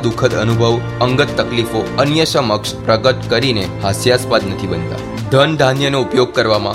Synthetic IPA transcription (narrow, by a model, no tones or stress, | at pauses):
d̪ukʰəd̪ənubʱəʋ | əŋɡət̪ːəklifoənjəsəməkʂpɾəɡət̪kəɾinehasjaspad̪nət̪ʰibənt̪a̰ | d̪ʱənd̪ʱanjənoupjoɡ̚kəɾʋamã̰